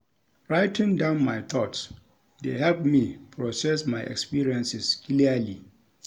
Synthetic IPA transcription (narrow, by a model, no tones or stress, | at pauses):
ɹaɪtɪ̃ŋdãʊ̃nmajt̪ʰɔts | dehɛlpmipʰɹɔsɛsmaɪʔɛ̰kspiɹiɛ̃nsɪskliali